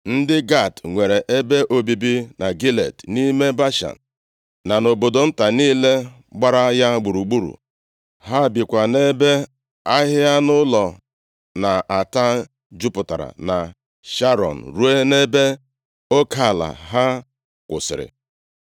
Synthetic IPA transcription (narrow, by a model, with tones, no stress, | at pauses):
n̩˦dɪ˦ɡa˦˨tŋʷe˨ɾe˨ʔe˦be˦ʔo˦bi˦bi˦na˨ɡi˦lḛ˨tni˦me˦ba˦ʃa̰˨n̩˨ | na˨no˨bo˨do˨n̩˦ta˨niː˦le˦ | ɡ͡ba˦ɾa˦ja˦ɡ͡bu˨ɾu˨ɡ͡bu˦ɾṵ˨ | ɦa˦˨bi˨kʷa˨ne˦be˦ | a˦ɦɪ˦a˦nʊ˦lɔ˨ | na˨ʔa˨ta˦ | d͡ʒu˦pʊ˨ta̰˨ɾa̰˨na˨ | ʃa˦ɾɔ̰˨n̩˨ɾu˦e˦ne˦be˦ | o˦ka˦˨la̰˨ɦa˦ | kʷʊ̰˨sɪ̰˨ɾɪ̰˨